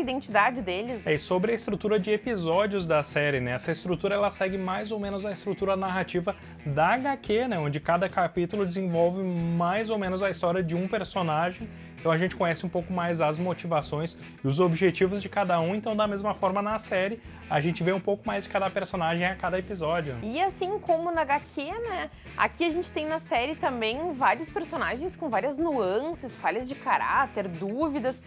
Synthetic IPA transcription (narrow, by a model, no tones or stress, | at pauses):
id̪ẽnt͡ʃid̪ad͡ʒɪd̪elɪsɛɪsobɾɪɐɪst̪ɾut̪uɾɐd͡ʒɪepizɔd͡ʒiʊzd̪ɐsɛɾɪnɛɛsɐɪst̪ɾut̪uɾɐɛlɐsɛɡɪmajzowmẽnʊzɐɪst̪ɾut̪uɾɐnaɦat͡ʃivɐ | d̪ɐɡakʰenɛõnd͡ʒɪkad̪ɐkapit̪ʊlʊd͡ʒɪzẽvɔwvɪmajzowmẽnʊzɐist̪ɔɾiɐd͡ʒɪũpeɾsonaʒẽj̃ | ẽt̪ɐ̃w̃ɐʒẽnt͡ʃɪ̥kõɲ̃ɛsɪũpowkʊmajzɐzmot͡ʃivasõj̃s | ɪʊzobiʒet͡ʃivʊzd͡ʒɪkad̪ɐũẽnt̪ɐ̃w̃d̪ɐmezmɐfɔɾmɐnɐsɛɾɪ | aʒẽnt͡ʃɪveũpowkʊmajzd͡ʒɪkad̪ɐpeɾsonaʒẽj̃akad̪ɐepizɔd͡ʒjʊɪasĩkõmʊnɐɡakʰenɛ | a̰kiɐʒẽnt͡ʃɪ̥t̪ẽj̃nɐsɛɾɪt̪ɐ̃mbẽj̃vaɾiʊspeɾsonaʒẽj̃skõvaɾiɐznuɐ̃sɐsfaʎɐzd͡ʒɪkaɾa̰t̪eɾd̪uvid̪ɐs